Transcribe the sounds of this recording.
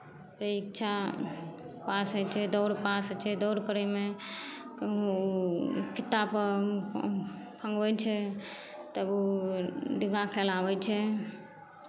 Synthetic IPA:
pɾəikt͡ʃʰa | pasɛt͡ʃʰɛd̪ɔːɽpast͡ʃʰɛd̪ɔʊɽkəɾɛme | pʰit̪ːapə | pʰə̃ŋɡʋɛt͡ʃʰɛ | t̪əbu | ɖiɡakʰelaʋɛt͡ʃʰɛ

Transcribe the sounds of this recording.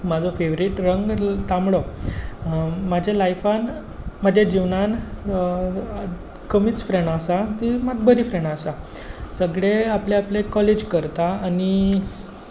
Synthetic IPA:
mad͡zʱɔfeʋɾiʈɾəŋɡt̪amɭo | mad͡ʑʱalajfan | mad͡ʑʱed͡ʑiʋnan | kəmiːt͡sfɾeɳɖasat̪imad̪̚bəɾifɾẽɳɖasa | səɡɭeapleaplekːɔled͡ʑkəɾt̪aani

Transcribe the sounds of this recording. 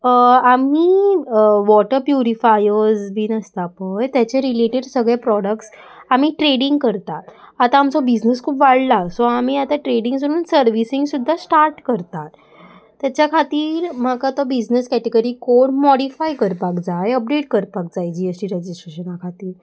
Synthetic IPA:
ami | ʋɔʈəɾpjuɾifajəɾzbʱiːnəst̪apəjt̪jat͡ɕeɾileʈeɽsəɡɭepɾɔɽək̚ʈs | am̤iːʈɾeɽiŋɡkəɾt̪at̪at̪aːmt͡sɔbid͡ʑnəskʰuːpʋaɽlasɔam̤iːat̪aʈɾeɽiŋɡd͡zəɾuːnsəɾʋisiŋɡsud̪ʱːasʈaɾʈkəɾt̪at̪ː | jat͡ɕjakʰat̪iːɾm̤akat̪ɔbid͡ʑnəskɛʈeɡəɾikoɽmɔɽifajkəɾpakd͡zajəp̚ɖeʈ̚kəɾpak̚d͡zajd͡ʑiesʈiːɾed͡ʑisʈɾeɕənakʰat̪iːɾ

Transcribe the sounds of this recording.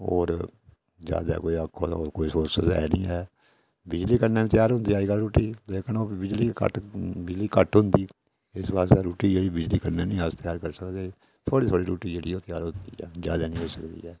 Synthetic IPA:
o̰ːɾ | d͡ʒja̰ːd̪a̰ːkoːiəkʰːoːoːɾkoːiːsoːɾsəzɛ̰ːnĩːɛː | bɪd͡ʒliːkənːeːɪt̪jaːɾɦʊ̃nd̪iːaːiːkaɾuːʈːiːleːkənoːɪd͡ʒliːkə̰ʈbɪd͡ʒliːkəʈɦʊnd̪iː | ɪsbaːst̪aːɾuːʈiːd͡ʒeːɽiːbɪd͡ʒliːkənːeːnĩːɦəst̪ɪjaːɾkəɾsəkd̪eː | t̪ʰoːɽiːt̪ʰoːɽiːɾuːʈiːd͡ʒeːɽiːoːt̪ɪjaːɾɦʊnd̪ḭːɛːd͡ʒjaːd̪aːnĩːɦoːsəkd̪ḭːɛː

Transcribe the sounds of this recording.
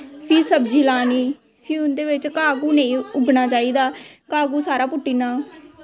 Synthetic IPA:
pʰiːsəbd͡ʒiːlaːniː | pʰiʊnd̪eːʋɪt͡ʃkaːɡuːnẽĩːʊbnaːt͡ʃaːiːd̪aːkaːɡuːsaːɾaːpʊʈːiːnaː

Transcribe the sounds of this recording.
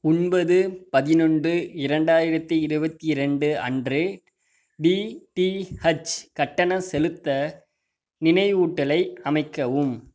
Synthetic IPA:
ʊnbɐðɯpɐðɪnɔɳdɯɪɾɐɳɖaːjɪɾɐt̪ːiɪɾɯbɐt̪ːiɾɛɳɖɯɐ̰ndrɯ | biʈihɐt͡ʃkɐʈːɐnɐsɛlɯt̪ːɐ | nɪnɐɪuːʈːɐlɐɪɐmɐɪkːɐʋɯm

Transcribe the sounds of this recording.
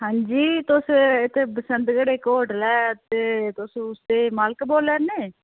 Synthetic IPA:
ɦãːɲd͡ʒiːt̪ʊsɪt̪ʰːeːbəsənd̪ɡəɽeːkoːʈlɛːt̪eːt̪ʊsũːʊst̪eːmaːlkboːlɛːɾneː

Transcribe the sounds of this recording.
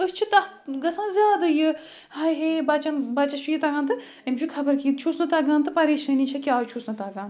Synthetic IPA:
ɨst͡ʃʰit̪ɐɡɐsɐnzʲjaːd̪ɐjɨ | hajɦebɐːt͡ʃɐnbaːt͡ʃɐt͡ʃʰujit̪ɐːɡaːnt̪ɨ | ɐmd͡ʒʰukʰɐbɐɾkiːd̪̚t͡ʃʰusnɐt̪aːɡaːnt̪ɨpɐɾiːʃɐniːt͡ʃʰɐkʲjaːt͡ʃʰusnɐt̪aːɡaːn

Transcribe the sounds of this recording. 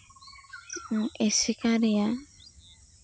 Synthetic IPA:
ŋ̩esikaɾɪja

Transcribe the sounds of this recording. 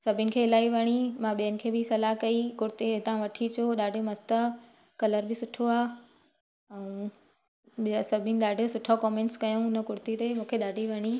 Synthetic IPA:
sɐbʱɪənɪ̆kʰeːɪlaːiʋɐɽ̃imãɓijənɪ̆kʰeːbɪsɐlaɦkɐikʊɾt̪eɪt̪ãʋɐʈʰit͡ɕʰoɗaːɖʱjomɐst̪ə | kɐləɾbɪsʊʈʰoaː | ɐũ | sɐbʱɪnɪ̆ɗaːɖʱijosʊʈʰakɔːmẽːɳʈskɐjõʊnə̆kʊɾt̪it̪emũːkʰeɗaːɖʱiʋɐɽ̃i

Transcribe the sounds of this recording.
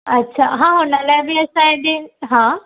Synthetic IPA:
ɐtːɕʰaɦãɦoːnəlaːɪbɪɐsãɦẽd̪eɦãː

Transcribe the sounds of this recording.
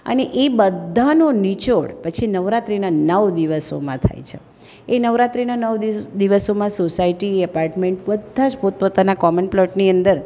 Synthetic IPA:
ə̰neʔebəd̪ʱːanonit͡ʃoɽpət͡ʃʰinəʋɾat̪ɾinanəʋd̪iʋəso̰mãt̪ʰa̰jt͡ʃʰḛ | enəʋɾat̪ɾinanəʋd̪id̪iʋəsomãsosaiʈiəpaɾʈmẽɳʈ̚bəd̪ʱːãʃpot̪̚pot̪anakɔmənplɔʈniə̃nd̪əɾ

